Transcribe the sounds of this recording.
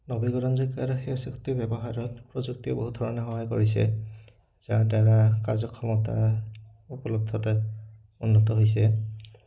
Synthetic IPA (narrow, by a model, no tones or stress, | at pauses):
nɔbiɡɔɹɔnzɔkaɾɔxeɔsiktibɛbɔɦaɹɔtpɹozuk̚tiɛboɦudʱɔɹɔnɛxɔɦajkoɹisɛ̰ | z̥adaɹakaɹzɔkʰːɔmɔta̰ | upɔlɔb̚dʱɔtɛ | unːɔtɔɦojs̬ɛ